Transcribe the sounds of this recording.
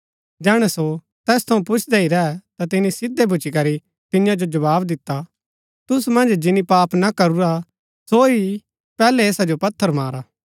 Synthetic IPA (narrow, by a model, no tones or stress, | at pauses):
d͡ʒɛːɽ̃ɛso | t̪ɛːst̪ʰɐũpʊt͡ʃʰd̪eiɾɛɛt̪at̪ɪnisɪd̪ːebʱʊt͡ʃikɐɾi | t̪ɪnjãd͡ʒod͡ʒɐβaːbd̪ɪt̪ːa | t̪ʊsmɐ̃nd͡ʒd͡ʒɪnipaːpnakɐɾuɾa | soi | pɛːlɛeːsad͡ʒopɐt̪ʰːəɾmaːɾaː